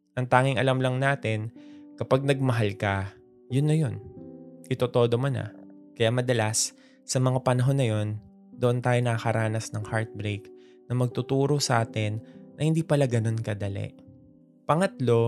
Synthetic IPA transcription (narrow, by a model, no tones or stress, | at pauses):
ʔɐŋt̪aːŋɪŋʔɐlɐmlɐŋnaːt̪ɪnkɐpaɡ̚nɐɡ̚mɐɦalkɐ | jʊnːɐjo̞nʔɪt̪ot̪o̞ːd̪o̞monɐ̰ | kɐjaʔmɐd̪ɐlasː | ɐmɐŋapɐnɐɦo̞nːɐjo̞n | d̪oʔont̪aːjonɐkɐkɐɾʔaːnɐsnɐŋhaɹt̪̚bɾejk | nɐmɐɡ̚t̪ʊt̪uːɾo̞sɐʔaːt̪ɛnːɐhɪnd̪iːpɐlaɡɐno̞nkɐd̪ɐlɛ̰ʔ | pɐŋɐt̪lo̞